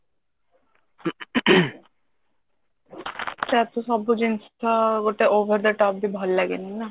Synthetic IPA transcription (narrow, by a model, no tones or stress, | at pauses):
tɛt̪oʃɔbod͡ʑinst̪ʰaoʈeobʱəɾd̪aʈɔp̚bibʱɔlːɛɡenina